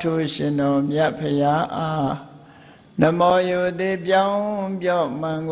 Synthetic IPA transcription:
tʰo˦˨ɕɪ̃˨ndɔ˨mja˦ʔpʰəja˦ʔa˦ | nə˨mɔ˨jo˨d̪i˦˨pjã˦ʊ̃pjɔ˦˨mã˨ŋɡ

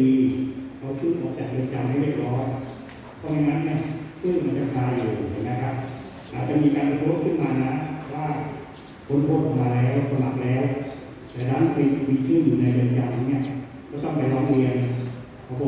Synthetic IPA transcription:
iː˧kʰa˧˩wkʰɯː˥˩nʔɔ̰ː˨˩k̚t͡ɕa˨˩k̚dɯ˧ənt͡ɕa˧maː˦˥˩ɾi˥˩əp̚ɾɔː˦˥j | pʰɔ˧˥˩na˧ŋa˦˥nːi˧˩ɐkʰɯ˥˩nma˧nt͡ɕa˧˩kʰaː˧juː˨˩˨t͡ɕa˧˩ŋma˧˦˥kʰa˦˧˥p̚ | ʔaː˨˩t̪̚t͡ɕa˨˧˩ʔmiː˧kaː˧npʰa˧t̪ʰu˦˥˨t̚kʰɯ˥˩nmaː˧na˦˥˧waː˥˩ | kʰo˧˥˦npʰo˦˧˥p̚kɔ˨˧maː˧lɛː˦˥wsʰa˧ma˨˩k̚lɛː˦˥w | t̪ɛː˨˩na˦˥˨npi˧miː˧kʰɯː˥˩njuː˨˩na˧jdɯ˧ənt͡ɕa˧ma˧˩nːi˦˥˩ɐʔ | kʰaː˦˥˩t̪ɔ˥˩ŋpa˧jɾɔː˦˥ŋɾi˧ən | kʰa˧˩kʰː

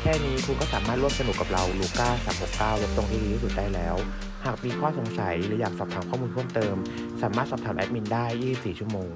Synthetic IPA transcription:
kʰɛː˥˩niː˦˥kʰu˧kɔː˥˩saː˩˦maː˥˩t̪ɾu˥˩əmsa˧nu˨˩kːa˨˩p̚ɾa˧wluː˧kaː˥˩saː˩˦mho˨˩kːaː˥˩wje˦˥p̚t̪o˧ŋt̪ʰiː˥˧i˧t̪iː˥˩su˨˩t̪̚daː˥˩jlɛː˦˥w | haː˨˩k̚miː˧kʰɔː˥˩so˩˦ŋsa˩˦jɾɯː˩˦jaː˨˩k̚sɔː˨˩p̚t̪ʰaː˩˦mkʰɔː˥˩muː˧nt̪ʰəmt̪ɤː˧m | saː˩˦maː˥˩t̪̚sɔː˨˩t̪ʰaː˩˦mʔɛ̰˦˥p̚mi˧ndaː˥˩jːiː˥˩si˨˩p̚siː˨˩t͡ɕʰu˥˩ə˩moː˧ŋ

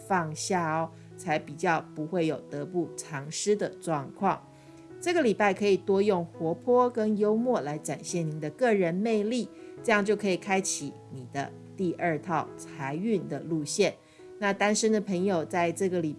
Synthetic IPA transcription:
fɑ˥˧ŋɕja˥˩˨ | t͡sʰa˧˥ɪpi˨˩t͡ɕjɑ˥˩ʊpu˧˥xwe˥˩ɪjo˨˩ʊt̪ɤ˧˥pu˥˩ʈ͡ʂʰɑ˧˥ŋʂɻ̩˥d̪ə˨ʈ͡ʂwɑ˥˧ŋkʰwɑ˥˩ŋ | ʈ͡ʂɤ˥˩ɡə˨˩li˨˩pa˥˩ɪkʰɤ˧˥i˨˩t̪wɔ˥jʊ˥˩ŋxwɔ˧˥pʰɔ˥kə˥njo˥ʊmwɔ˥˩la˧˥ɪʈ͡ʂa˨˩nɕjɛ˥˩ni˨˥˦d̪ə˧kɤ˥˩ɻə˧˦nme˥˧ɪli˥˩ʈ͡ʂɤ˥˧jɑ˥˧ŋt͡ɕjo˥˩ʊkʰɤ˧˥i˨˩kʰa˥ɪt͡ɕʰi˨˦ | ni˨˩d̪ə˦ | t̪i˥˧ə˞˥˧t̪ʰɑ˥˩ʊt͡sʰa˧˥ɪy˥˩nd̪ə˩lu˥˧ɕjɛ˥˩n | na˥˧t̪a˥nʂə˥nd̪ə˨pʰə˧˥ŋjo˨˩ʊt͡sa˥˧ɪʈ͡ʂɤ˥˩ɡə˩li˨˩

